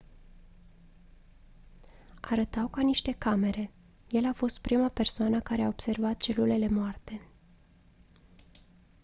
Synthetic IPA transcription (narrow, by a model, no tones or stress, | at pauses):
aɾət̪awkaniʃt̪e̞kame̞ɾe̞ | je̞lafo̞st̪̚pɾimape̞rsoanəkaɾeaobse̞rvat̪̚t͡ʃe̞lule̞le̞moart̪e̞